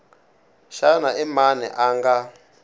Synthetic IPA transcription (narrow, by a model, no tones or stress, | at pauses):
ʃanaimanɛ̰ʔaːŋɡa